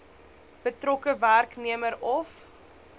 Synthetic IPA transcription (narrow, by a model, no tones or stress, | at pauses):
b̥ətrɔkəværkniəməɾɔf